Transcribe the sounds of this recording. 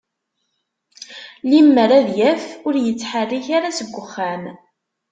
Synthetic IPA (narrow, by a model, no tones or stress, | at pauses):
limːəɾæðjæfʊɾjət͡sːħərːiçaɾasəɡʷːəχːæm